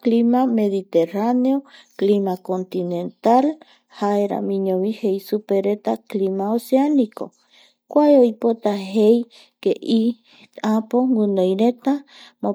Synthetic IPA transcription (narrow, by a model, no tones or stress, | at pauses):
klimameðit̪eraneoklimakont̪inẽnt̪al | haeɾa̰mĩɲoβihejsupeɾet̪aklimaoseaniko̰ | kʷaeojpot̪aɦej | keʔi | apoŋɡunojɾet̪a | mo